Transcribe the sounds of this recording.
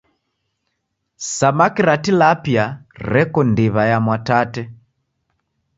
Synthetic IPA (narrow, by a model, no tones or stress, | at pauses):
samakiɾatilapjarɛkɔndiβajamwatatɛ